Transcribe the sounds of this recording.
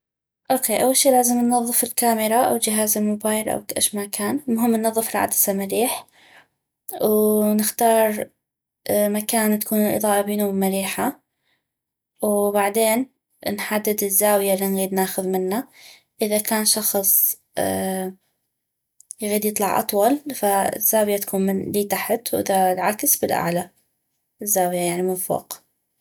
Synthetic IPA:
ʔoːkeːʔawːalʃiːlaːzɪmnːɑðˤːɨfɪlkaːmɪɾˤaʔa̰wld͡ʒɪɦaːzɪlmʊbaːjlʔa̰wkaʔa̰ʃmakaːnmʊɦɪmːnːɑðˤːɨfɪlʕa̰d̪ḁsamaɾiːħ | wnɪxt̪ɑːɾˤ | makaːnt̪ḁkuːnɪlʔɨ̰ðˤɑːʔabiːnumaɾiːħa | wbaʕd̪eːn | nħad̪ːɪd̪ɪzːaːwɪjalːinɣiːd̪naːxʊðmɪnːa | ʔɪðakaːnʃɑxsˤ | jɣiːd̪jɨt̪ˤlɑʕʔɑ̰t̪ˤwɑlfaɪ̰z̥ːaːwjat̪ḁkuːnmɪnliːt̪aħt̪wʔɪðalʕaksbɪlʔa̰ʕla | ɪzːaːwjajaʕnimʊfṵːq

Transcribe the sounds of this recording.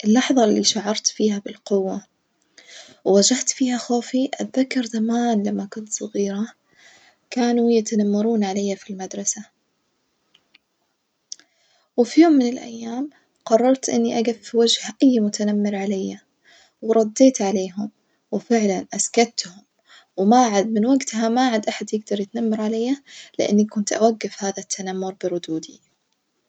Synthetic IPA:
ʔɪlːɑħðˤɑlːiʃaʕɑɾˤt̪fiːhabɪlqʊwːa | wwad͡ʒaht̪fiːhaxoːfiʔat̪ðakːɑɾˤzamaːnlamːakʊnt̪sˤɑɣiːɾa | kaːnujat̪anamːɑɾˤuːnʕalajːafilmad̪ɾˤɑsa | wɪfijoːmːɪnɪlʔa̰jːaːm | qɑrˤːɑɾˤt̪ʔɪ̰nːiʔaɡafːiwad͡ʒhaʔajːmʊt̪anamːɪɾʕalajːa | wɾˤɑd̪ːeːt̪ʕaleːɦʊm | wɪfɪʕlanʔaskat̪hʊm | wmaːʕad̪̚mɪnwaɡt̪ɦamaʕad̪ʔaħad̪jɪɡd̪ɑɾˤjɪt̪namːɑɾˤʕalajːalɪ̰ʔɪ̰nːikʊnt̪ʔawaɡːɪfhaːðat̪ʰːanamːʊɾˤbɪɾˤʊd̪uːd̪i

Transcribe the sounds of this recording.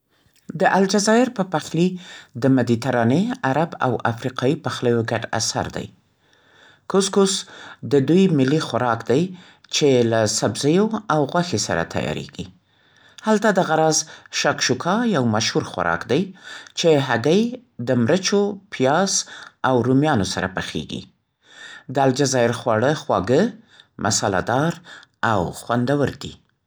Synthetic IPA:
d̪əʔald͡ʒazɑjɪɾpəpaxlid̪əmad̪it̪aɾɑneaɾaba̰wa̰fɾiqɑjipaxləjoɡaɖa̰sa̰ɾd̪a̰j | kʊskʊsd̪əd̪ujmɪlːixwaɾɑkd̪aj | t͡ʃelasabzəjoawɣwaxesa̰ɾa̰t̪ʰa̰jɑ̰ɾḛɡi | halt̪ad̪aɣaɾɑzʃakʃukʰɑjawmaʃhuɾxwa̰ɾɑ̰kd̪ajt͡ʃeɦaɡəjd̪əmɾət͡ʃopʰijɑzawɾumjɑnosaɾabaxḛɡḭ | d̪əald͡ʒazɑjɪɾxwɑɽəxwɑɡəmʔa̰sɑla̰d̪ɑɾawxwand̪awəɾd̪i

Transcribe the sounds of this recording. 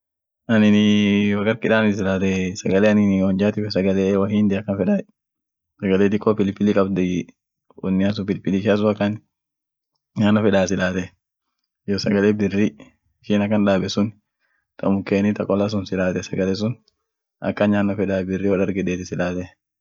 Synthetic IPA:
ʔɐnɪnɪwɐkɐɾkɪᶑaːnɪs̬ɪlaːt̪ɛsɐɡɐlɛɐnɪnɔnd͡ʒaːt̪ɪfɛsɐɡɐlɛwɐhiːnd̪ɪɐkːɐnfɛᶑa | sɐɡɐleːt̪̬ɪkʼːɔpɪlpɪlikʼɐbd̪ɛ | wɔnːɪɐs̬ʊpɪlpɪliʃɐs̬ʊɐkːɐn | ɲaːnːɔfɛᶑaːsɪlaːt̪ɛ | jɔsɐɡɐlɛbɪrːi | ɪʃɪnɐkːɐnᶑaːbɛsʊn | t̪ʰʼɐmʊkːeːnɪt̪ɐkʼɔlɐs̬ʊnsɪlaːt̪ɛsɐɡɐlɛs̬ʊn | ʔɐ̰kːɐnɲaːnːɔfɛᶑaːbɪrːiwɐᶑɐɾɡɛᶑeːt̪ɪsɪlaːt̪ɛ

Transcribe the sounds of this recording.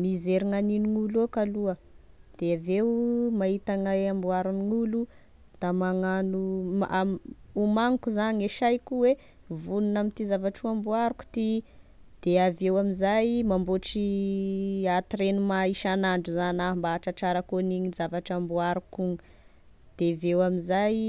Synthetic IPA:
mizeɾiŋaniniŋulokaluə | d̪̥eavewmait̪aŋaambuaɾuniŋulu | d̪̥amaŋanuaumaŋikuzaɲeʃajkuwe | vununamit̪izavaʈ͡ʂuambuaɾuku̥t̪i | d̪̥eavewamizajmamboʈ͡ʂi | at̪iɾenumaiʃanaɳɖ͡ʐuzanambaʈ͡ʂaʈ͡ʂaɾəkoniɲizavaʈ͡ʂambuaɾukuŋ | d̪̥evewamizaj

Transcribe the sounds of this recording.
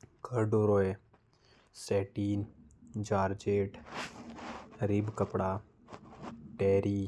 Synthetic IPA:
kəɾɖoɾoe | seːʈiːnd͡ʒaːɾd͡ʒeːʈ | ɾibkəpɽaː | ʈeːɾiː

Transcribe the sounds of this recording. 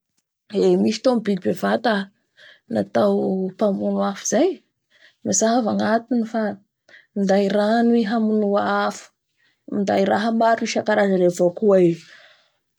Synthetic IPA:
emiʃi̥t̪omibilbevat̪a | nat̪awpamunuafi̥z̥aj | masaɦavaŋat̪inifa | mind̪aiɾaniɦamunuaafu̥ | mind̪aiɾaɦəmaɾiʃakaɾazaɾevokuai

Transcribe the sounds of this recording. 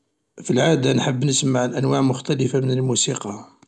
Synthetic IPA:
filʕad̪anħəbːnəsəmːaʕəlʔænwaʕmʊxt̪æləfamənəlmusiqɑ

